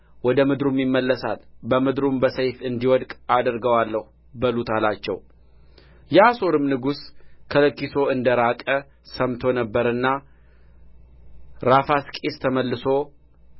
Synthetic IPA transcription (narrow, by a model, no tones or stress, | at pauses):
wɔd̪əmɨd̪ɾumːimːəlːəsa̰lbəmɨd̪ɾumbəsəjfɨnd̪iwɔd̪kʼad̪ɾɡəwalːəh | bəlut̪ʰalat͡ʃːɛ̰w | jaso̞ɾɨmnɨɡuskʰələkːiso̞ɨnd̪əɾakʼə | səmt̪ʰo̞nəbːəɾɨnːa | ɾafaskʼest̪ʰəməlːɨso̞